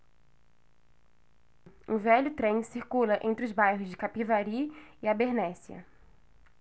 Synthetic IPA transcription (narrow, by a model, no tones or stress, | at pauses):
ũvɛʎʊt̪ɾẽj̃siɾkulɐʔẽnt̪ɾɪʊzbajɦʊzd͡ʒɪkapivaɾiɪabeɾnɛsiɐ̰